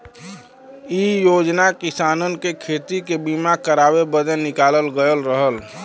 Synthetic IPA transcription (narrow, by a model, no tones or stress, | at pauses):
iːjoːd͡ʒnakɪsaːnənkekʰeːt̪ikebiːmakəɾaːwebəd̪ənːɪkaːləlɡəjəlɾəɦəl